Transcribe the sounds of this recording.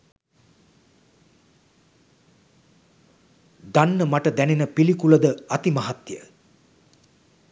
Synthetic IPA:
d̪anːəmaʈəd̪ænenəpilikuləd̪əat̪imaɦat̪jə̰

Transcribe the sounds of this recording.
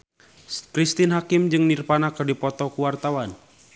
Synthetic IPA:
kɾist̪inɦakimd͡ʒɨŋnirpanakərdipɔt̪ɔkuwart̪awan

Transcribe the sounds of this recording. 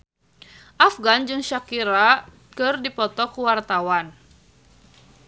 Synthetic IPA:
ʔafɡand͡ʒɨŋʃakiɾa | kɨrdipɔt̪ɔkuwart̪awan

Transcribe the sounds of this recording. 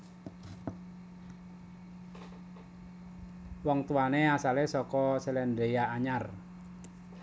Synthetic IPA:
wɔŋt̪uaneasalesɔkɔselɛndejaːɲar

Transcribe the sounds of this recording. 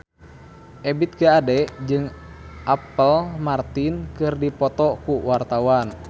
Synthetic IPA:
ʔɛbit̪̚kaadɛd͡ʒɨŋ | ʔapəlmart̪inkɨrdipɔt̪ɔkuwart̪awan

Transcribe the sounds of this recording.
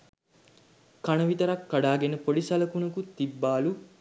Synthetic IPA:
kɐnɐʋit̪ɐɾɐkːaɖaːɡenəpolisɐlɐkunɐkut̪ibːaːlu

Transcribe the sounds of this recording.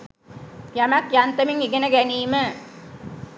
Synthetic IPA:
jamakjant̪əmiŋiɡenəɡæniːmə

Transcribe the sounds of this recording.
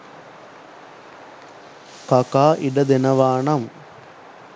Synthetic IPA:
kɐkaːʔiɖɐd̪enɐʋaːɳɐm

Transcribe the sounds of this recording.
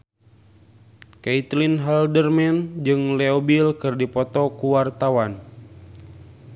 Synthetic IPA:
kait̪linɦaldərmɛnd͡ʒɨŋleobilkɨrdipɔt̪ɔkuwart̪awan

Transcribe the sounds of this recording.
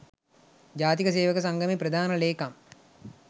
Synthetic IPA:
d͡ʒaːt̪ikəs̬eːʋəkəs̬aŋɡəmepɾəd̪ʱaːnəleːkam

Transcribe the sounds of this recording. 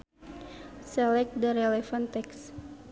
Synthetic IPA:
sɛlɛk̚d̪aɾelɛfant̪ɛks

